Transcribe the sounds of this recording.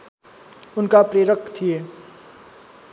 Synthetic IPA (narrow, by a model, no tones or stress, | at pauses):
ʊnkapɾeːɾəkʰt̪ʰije